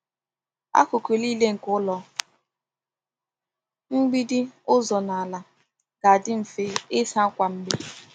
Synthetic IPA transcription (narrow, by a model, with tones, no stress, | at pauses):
a̰˦kʊ˨kʷe˨li˦le˦ŋ̩˨kʊ˦lɔ˦ | ŋ͡m̩˦ɡ͡bi˦dɪ˦ʊ˦zɔ˨na˨a˨la˨ | ka˨a˨dɪ˦m̩˨fe˦ɪ˦sa˦kʷa˨m̩˦be˦